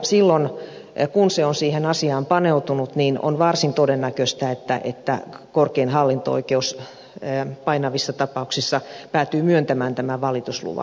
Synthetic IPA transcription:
silːon | kunseonsiːhenɑsiɑːmpɑneut̪unut̪nino̰nʋɑrsint̪odenːækøst̪æet̪ːæ̰ʔet̪ːæ̰korkeinhɑlːint̪o̰o̰ikeus | pɑinɑʋisːɑt̪ɑpɑuksisːɑpæːt̪yːmyønt̪æmæːnt̪æmæʋɑlit̪uslṵʋɑ̰

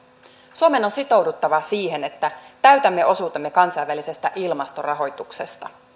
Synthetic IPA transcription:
suome̞no̞nsit̪o̞wdut̪ːɑʋɑsiːɦe̞ne̞t̪ːæt̪æɥt̪æmːe̞o̞suːt̪emːekɑnsɑjʋːælise̞st̪æʔilmɑst̪o̞rɑɦo̞jt̪ukse̞st̪ɑ

